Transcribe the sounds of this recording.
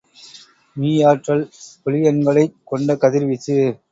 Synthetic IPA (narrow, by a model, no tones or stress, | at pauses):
miːjaːʈrɐɭpɔlɪjɐnɡɐɭɐɪkːɔɳɖɐkɐðɪɾʋɪt͡ʃːɯ